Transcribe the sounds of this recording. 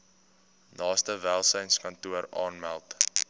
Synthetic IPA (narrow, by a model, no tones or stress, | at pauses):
nɑːstəvæːlˠsəjnskɐntuəɾɑ̰ːnmælˠt